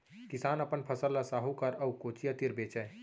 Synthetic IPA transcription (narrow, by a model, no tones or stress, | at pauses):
kɪsaːnəpənpʰəsəlːasaːɦukəɾəukoːt͡ʃijat̪iɾbeːt͡ʃɛ